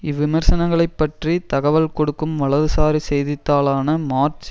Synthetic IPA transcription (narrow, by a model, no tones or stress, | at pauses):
ɪʋːɪmɐɾsɐnɐŋɡɐɭɐɪpːɐʈrit̪ɐɣɐʋɐlkɔɽɯkːɯmʋɐɭɐðɯsaːɾisɛjðɪt̪ːaːlaːnɐmaːrt͡ʃ